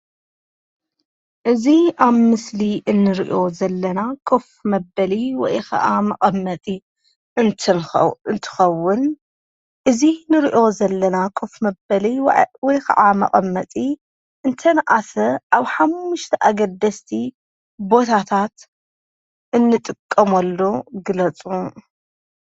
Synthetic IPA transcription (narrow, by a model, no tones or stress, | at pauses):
ʔɨziʔaβmɨsliʔɨnːɨɾiʔo̞zɐlːɐnakʰo̞fmɐbɐliwɔ̰jkʰɐ̰ʔamɐqʼɐmːɐt̪ʼi | ɨnʰɨnt̪ʰɨ̥xɐwːʊn | ʔɨzinɨɾiʔo̞zɐlːɐnakʰofmɐbɐliwɔjkʰɐ̰ʔamɐ̰qʼɐ̰mːɐt̪ʼi | ʔɨnt̪ʰɐnʔasɐʔaβħamːʊʃt̪ʰɐʔaɡɐld̪ɐst̪ʰi | bo̞t̪ʰat̪ʰat̪ | ʔɨnːɨt̪ʼɨkʼːɐmɐlːuɡɨlɐt͡sʼu